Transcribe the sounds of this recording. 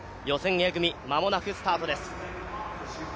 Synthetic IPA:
jo̞sẽ̞ŋ̃eɡɯ̟mʲimamo̞nakɯ̟sɨ̥t̪aːt̪o̞d̪e̞sɨ̥

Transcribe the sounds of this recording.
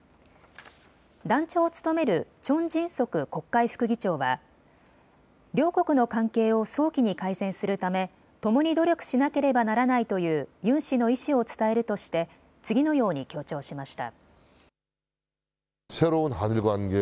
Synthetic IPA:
d̪ãɲt͡ɕo̞ːt͡sɨ̥t̪o̞me̞ɾɯ̟t͡ɕõ̞ɲd͡ʑĩɰ̃so̞kɯ̟ko̞kːaiɸɯ̟̥kɯ̟ɡʲit͡ɕo̞ːβa̰ | ɾʲjo̞ːko̞kɯ̟no̞kãŋke̞ːo̞so̞ːkʲiɲ̟ikaisẽ̞ɰ̃sɨɾɯ̟t̪ame̞ | t̪o̞mo̞ɲ̟id̪o̞ɾʲjo̞kɯ̟̥ɕinake̞ɾe̞banaɾanait̪o̞jɯ̟ːjɯ̟̃ɰ̃ɕino̞iɕio̞t͡sɨ̥t̪ae̞ɾɯ̟t̪o̞ɕi̥t̪e̞ | t͡sɨɡʲino̞jo̞ːɲ̟ikʲo̞ːt͡ɕo̞ːɕimaɕi̥t̪a̰ | sʰe̞ɾoɯnɦanɯɾɡanɡe

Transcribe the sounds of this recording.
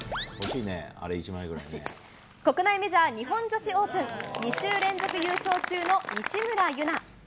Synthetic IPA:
hoɕiːnḛa̰ɾeit͡ɕimaiɡɯɾa | ko̞kɯ̟naimeʑiβaɲ̟iɦõ̞ɲd͡ʑo̞ɕio̞ːpɯ̟̃ŋɲʲiɕɨːɾẽ̞nzo̞kɯ̟jɯːɕo̞ːt͡ɕɨːno̞ɲʲiɕimɯ̟ɾajɯ̟na

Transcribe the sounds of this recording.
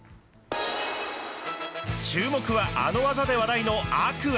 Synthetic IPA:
t͡ɕɨːmo̞kɯ̟βaʔa̰no̞βazad̪e̞βad̪aino̞akɯ̟

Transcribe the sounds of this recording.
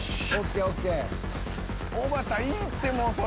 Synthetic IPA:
okeoke | obat̪aĩt̪emɔ̃sɔ

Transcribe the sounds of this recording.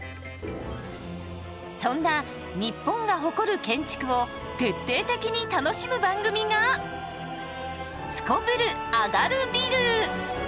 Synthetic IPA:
sõ̞nːa | ɲ̟ipːõ̞ŋɡaɦo̞ko̞ɾɯ̟kẽ̞ɲt͡ɕi̥kɯ̟o̞ | t̪e̞t̪ːe̞ːt̪e̞kʲiɲ̟it̪ano̞ɕimɯ̟bãŋɡɯ̟mʲiɡa | sɨ̥ko̞bɯ̟ɾɯ̟ | aɡaɾɯ̟bʲiɾɯ̟

